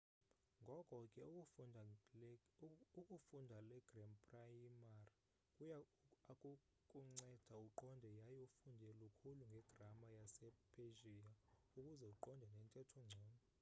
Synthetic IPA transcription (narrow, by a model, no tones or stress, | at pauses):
ŋɡʱɔkʼɔkʼɛ | ukʼufundʱalɛɡ̥rɛmpʼrajimar | kʼuaakʼu | kʼuŋ͡ǀɛd̥ʱauǃɔndʱɛjajufundʱɛlukʰuluŋɡʱɛɡ̥ramajasɛpʰʼeʒia | ukʼuzɛuǃɔndʱɛnɛntʼɛtʰɔŋ͡ǀʱɔːmɔ